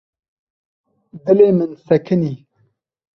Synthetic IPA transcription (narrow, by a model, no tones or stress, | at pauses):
d̪ɨleːmɨnsɐkʰɨniː